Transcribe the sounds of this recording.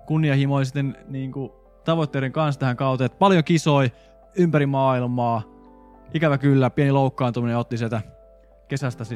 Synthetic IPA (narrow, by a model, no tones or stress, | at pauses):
kunːiɑhimolisit̪ːenniːŋku | t̪ɑʋot̪ːeːɾeŋkɑnst̪æhæŋkɑˑut̪et̪pɑljokisoi | ympæɾimɑːilmɑː | ikæʋækylːæpieniloukːɑːnt̪umineot̪ːisielt̪æ | kesæst̪æsi